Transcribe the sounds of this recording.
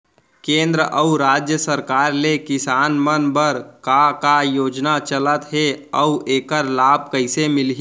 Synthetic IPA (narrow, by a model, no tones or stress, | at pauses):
kẽːnd̪ɾəʔəuɾaːd͡ʒjəsəɾkaːɾlekɪsaːnmənbəɾkakajoːd͡ʒnat͡ʃələt̪ɦeəuʔeːkəɾlaːb̚kəɪsemɪlɦ